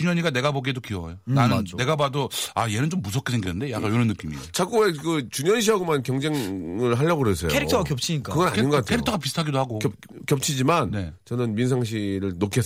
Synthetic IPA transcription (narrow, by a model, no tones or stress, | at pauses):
t͡ɕuɲʌɲiɡane̞ɡaboɡiedokiʌjonanɯnːe̞ɡabadoaje̞nɯnt͡ɕomːusʰʌk͈ʰːesʰe̞ŋɡinɯndejaɡ͈ajoɾʌnːɯk͈imiḛt͡ɕʰak͈uekɯt͡ɕuɲʌnɕ̬ʰiʌɡomankjʌŋd͡ʑeŋɯɭɦaʎːʌɡoɦes͈ʰejkoeɾiktʰʌakjʌp̚t͡ɕʰiɲik͈akɯɡʌnaɲinɡʌk͈atʰkʰeɾiktʰʌɡap̬isʰɯtʰaɡidohaɡok | kjʌp̚t͡ɕʰid͡ʑimanne̞t͡ɕʌnɯnminsʰaŋɕ̬ʰiɾɯɭnokʰe